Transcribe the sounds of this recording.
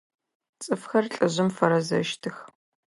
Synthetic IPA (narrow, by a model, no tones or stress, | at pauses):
t͡sʼɨfxɐrɬʼɨʑɪmfɐɾɐzɐ̰ʃtʰɨx